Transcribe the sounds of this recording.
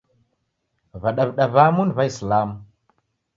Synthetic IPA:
vaɗavɗavamunvaislam

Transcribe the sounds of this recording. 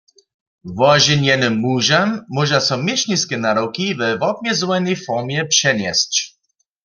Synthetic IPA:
vɔʑinɛnɨmːuʒamːɔʒasɔmʲjɛɕɲʲiskʲɛnaɾɔwkʲivɛvɔb̚mʲjɛzwɛnɛjfɔʁmjɛpʂɛnʲjɛst͡ɕ

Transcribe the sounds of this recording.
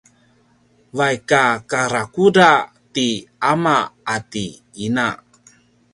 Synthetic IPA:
vajkakaɾakuda | tiamaːti | ina

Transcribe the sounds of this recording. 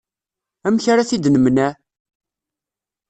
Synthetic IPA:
æmçaɾaθid̪nəmnæ

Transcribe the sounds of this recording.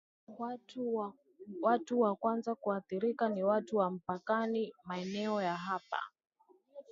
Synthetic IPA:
watuwakwanzakuaθiɾikaniwatuwam̩pakanimaɛnɛɔjaɦapa̰

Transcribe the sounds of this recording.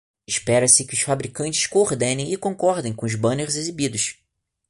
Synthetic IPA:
ɪʃpɛɾɐsɪkɪʊsfabɾikɐ̃nt͡ʃɪ̥ʃkoɾd̪ẽnẽj̃ɪkõŋkɔɾd̪ẽj̃kõʊzbɐ̃neɾzezibid̪ʊʃ

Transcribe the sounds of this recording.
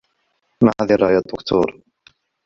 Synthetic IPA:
mahaðiɾˤɑjad̪ːʊkt̪ʰṵːɾˤ

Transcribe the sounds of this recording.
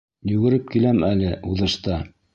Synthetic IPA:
jɵ̆ɡɘ̆ɾɘp̚kilæmælɘʔuðɤ̆ʃt̪ɑ

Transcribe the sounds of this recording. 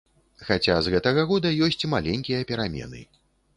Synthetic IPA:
xat͡sʲazɣɛt̪ɐɣɐɣɔd̪ɐjɔsʲt͡sʲmalʲɛnʲkʲijɐpʲɛɾamʲɛ̰n̪ɨ̰

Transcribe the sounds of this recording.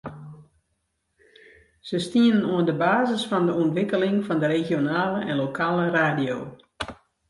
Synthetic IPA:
z̥əstiənənuəndəbaːzəsfɔndəuəntʋɪkəlɪŋfɔndəɾeɣjonaːləʔɛnlokʰaːləraːdijo̰ː

